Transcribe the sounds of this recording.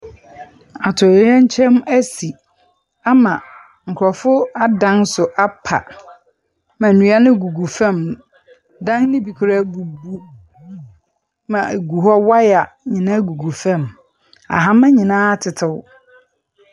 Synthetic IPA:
a˨tʰɔ˨˦ɛ˦ɲ̩˦t͡ɕʰɛ̃˦mæ˦si˨ | a˦mã˨ | ŋ̩˨kʰɾɔ˨fʊ˦a˦dã˦nsʊ˨ʔa˦pʰa̰˨ | mã˨nũ˨˦a˦nɪ̃˦ɡu˨ɡu˨fɛ̃˦˨m | dã˦ŋnɪ̃˦bi˨kʰɾa˦bu˨bu˨ | mã˨ɡu˨ɦɔ˦wa˦ja˨ɲɪ̃˨nã˦ɡu˨ɡu˨fɛ̃˦m | a̰˨ɦa˦mã˦ɲɪ̃˨nãː˦tʰɪ˨tʰɪ˨w

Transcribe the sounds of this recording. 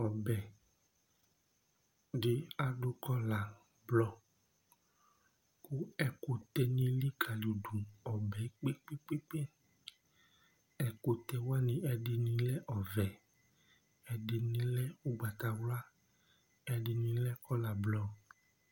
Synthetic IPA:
ɔ˨bɛ˨ | d͡ʒe˦a˨ɖo˦kɔ˦la˨ | blɔ˦ | ku˦ɛ˨ko˨t̪ɛ˨nĩ˦li˦kʰa˨li˨ɖu˨ɔ˨bɛ˨˦k͡pe˦k͡pe˦k͡pe˦k͡pe˦ | ɛ˨ko˨t̪ɛ˨wa˦nĩ˨ɛ˨ɖe˨nĩ˨lɛ˦ʔɔ˨vɛ˨ | ɛ˨ɖe˨nĩ˨lɛ˦wu˦ɡ͡ba˨t̪a˨wla˦ | ɛ˨ɖi˨nĩ˨lɛ˦kɔ˦la˨blɔ˨

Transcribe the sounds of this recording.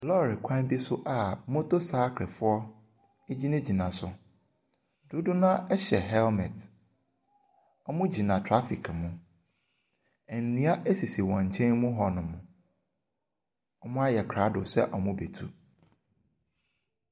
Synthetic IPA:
lɔ˦˨ɾɪ˨kʷʰã˦n˦bi˦sʊ˦ʔa˨mõ˦to˦saː˦kʰɾɪ˨fʊ˦ɔ˦ | e˦d͡ʑi˦nʊ̃˦d͡ʑi˨nã˨sʊ˨ | du˦dʊ˦nã˦ʔɛ˦ɕɛ˨ɦɛ˦lmɛ˨t | ɔ˦mʊ̃˦d͡ʑi˨nã˨tʰɾa˦fi˨kʰmʊ̃˨ | æ˨nː˨nĩ˦a˦ʔe˦si˨si˨wɔ̃˨ɲ̩˨t͡ɕʰɛ̃˦nmʊ̃˦ɦɔ˨nʊ̃˨mʊ̃˨ | ɔ˦mʊ̃˦a˦jɛ˨kʰɾa˨˦dʊ̰˨sɛ˦ʔɔ˨mʊ̃˦be˨tʰṵ˦

